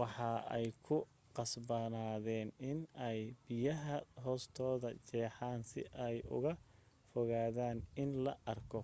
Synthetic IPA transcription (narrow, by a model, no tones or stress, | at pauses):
wɑħɑːɛjkʰʊ | qɑsbɐnaːðɛːnɪnɛjb̥ɪjɐɦɐɦɔːst̪ʰɔːðɐt͡ʃɛːħɑːnsɪ̰ʔɛjʊ̰ɣɐ | fɔɣaːðaːnɪnlɐʔɐrkʰɔ